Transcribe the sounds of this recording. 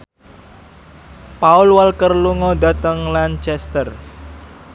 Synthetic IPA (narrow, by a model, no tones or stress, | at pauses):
paʊlwalkərluŋɔd̪a̤t̪əŋlant͡ʃɛst̪ər